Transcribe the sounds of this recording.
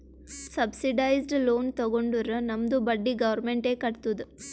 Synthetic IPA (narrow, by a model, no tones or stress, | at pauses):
sɐbsiɖɐjzɖloːnt̪ɐɡoɳɖuɾɐnɐmd̪ubɐɖːiɡɐʋɐɾmeɳʈeːkɐɽt̪ud̪u